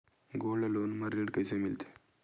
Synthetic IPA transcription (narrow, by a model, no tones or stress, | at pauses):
ɡoləlonməɾeɽkajsemilt̪e̥